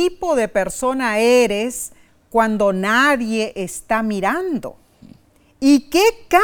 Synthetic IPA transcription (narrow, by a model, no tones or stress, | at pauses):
ipoðepeɾsonaeɾes | kwand̪onaðjeʔːst̪amiɾand̪o̰ | ikeka